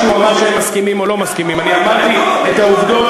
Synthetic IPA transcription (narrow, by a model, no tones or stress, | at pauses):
umamaʁʃeemːaskimimo̞lo̞maskimimaniamadt̪iet̪auvd̪o